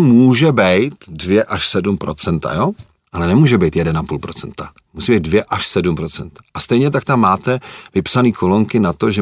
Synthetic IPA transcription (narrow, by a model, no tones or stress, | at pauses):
muːʒɛbɛjt̪dvjɛʔaʃsɛdumpɾo̞t͡sɛnt̪a̰joː | ʔalɛnɛmuːʒɛbɛjt̪jɛdɛnapuːlpɾo̞t͡sɛnt̪a | musiːbɛjd̚dvjɛʔaʃsɛdumpɾo̞t͡sɛnt̪ḁʔast̪ɛjɲɛt̪akt̪amːaːt̪ɛvɪpsaniːkʰoloŋkɪnat̪o̞ʒɛ